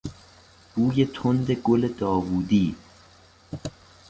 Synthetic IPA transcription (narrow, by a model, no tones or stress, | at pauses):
b̥uːjet̪ʰond̪eɡoled̪ɒːvuːd̪iː